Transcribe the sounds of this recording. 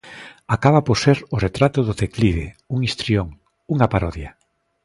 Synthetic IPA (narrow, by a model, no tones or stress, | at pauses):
akaβapoɾseɾʊret̪ɾat̪ʊðʊθekliðḛuŋist̪ɾioŋ | uŋapaɾɔðja